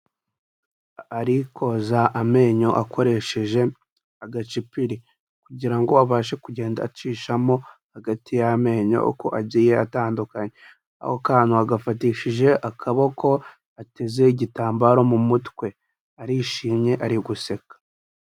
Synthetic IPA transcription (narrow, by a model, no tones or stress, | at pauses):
aɾikʰo̞zaʔame̞ːɲo̞ʔakʰo̞ɾe̞ʃe̞ʒe̞ | aɡat͡ʃipiɾi | kuɟiɾaŋɡo̞aβaːʃe̞kuɟe̞ːnda̰ːt͡ʃiːʃamo̞haɡatijame̞ːɲo̞̰ko̞̰ʔabɟiːje̞ataːndukaɲe | a̰hokaːn̥huaɡafatiːʃiʒe̞ʔakʰaβo̞ko̞ | ate̞ze̞iɟitaːmbaɾo̞mumutwe̞ | aɾiʃiːmɲe̞ʔaɾiɡuse̞kḁ